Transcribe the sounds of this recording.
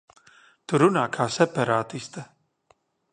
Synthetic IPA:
t̪uɾunaːkʰaːsɛpaɾaːt̪ist̪a

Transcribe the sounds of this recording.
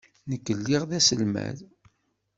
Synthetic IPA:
nəkːəlːiʁðæsəlmæ̰ð

